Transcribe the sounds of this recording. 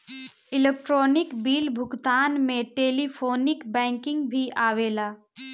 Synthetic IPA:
ɪleːk̚ʈɾoːnɪkbiːlbʱʊɡt̪aːnmẽʈeːlipʰoːnɪkbɛ̃ːŋkɪ̃ŋɡbʱiʔaːʋeːlaː

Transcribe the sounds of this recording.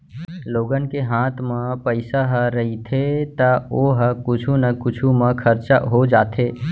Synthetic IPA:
loːɡən̆keɦãːt̪ʰmə̃pəɪsaɦɾəɦit̪ʰet̪əoɦkʊt͡ʃʰunəkʊt͡ʃʰumə̃kʰəɾt͡ʃaɦod͡ʒaːt̪ʰe

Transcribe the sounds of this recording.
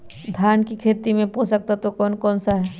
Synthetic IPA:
d̪ʱjaːnkikʰeːt̪imẽpoːsək̚t̪at̪okɔːnkɔːnsaɦɛː

